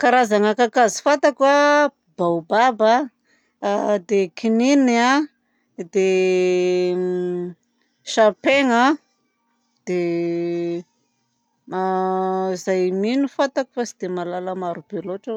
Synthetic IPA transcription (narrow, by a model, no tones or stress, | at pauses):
kaɾazaŋakakazi̥fat̪akwa | b̥awbaba | d̪ekinina | d̪e | ʃapeŋa | d̪̥e | izajminufat̪aku̥fasid̪emalaləmaɾubeloʈ͡ʂa